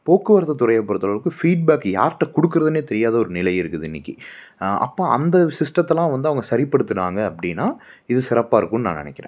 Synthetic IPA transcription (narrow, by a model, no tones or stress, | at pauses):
poːkːɯʋɐɾɐt̪ːɐt̪ʊɾɐjɐpːɔɾɐt̪ːɐɭɐʋɯkːɯfiːɖ̚baːkːja̰ːɾʈːɐ̃kɔɽɯkːɯɾɐðɯneːt̪ɛɾɪjaːðɐɔɾɯnɪlɐjɪɾɯkːɯðɯɪnːɪkːi | ʔɐ̰pːoːʔɐ̰nd̪ɐsɪsʈɾɐt̪ːɛlãːʋɐnd̪ɯɐʋɐŋɡɐsɐɾɪpːɐɽɯt̪ːɯnaːŋɡɐːpːɐɽɪnːaː | ɪðɯsɪɾɐpːaːɪɾɯkːʊnːɯnã̰ːnɪ̰nɛkʲːɪɾḛ̃ː